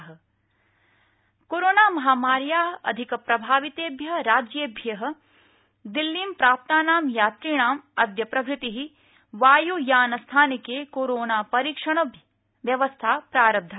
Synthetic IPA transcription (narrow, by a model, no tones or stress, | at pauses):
ɦɐ̆ | koːɾoːnaːmɐɦaːmaːɾjaːɦɐɐ̰d̪ʱikɐpɾɐbʱaːʋit̪eːbʱjɐɦɾaːd͡ʒjeːbʱjɐɦɐ̆ | d̪ilːiːmpɾaːp̚t̪aːnaːmjaːt̪ɾiːɳ̃aːmɐd̪jɐpɾɐbʱɾɪt̪iɦi | ʋaːjujaːnɐst̪ʰaːnikeːkoːɾoːnaːpɐɾiːkʂɐɳ̃ɐbʱ | ʋjɐʋɐst̪ʰaːpɾaːɾɐb̚d̪ʱa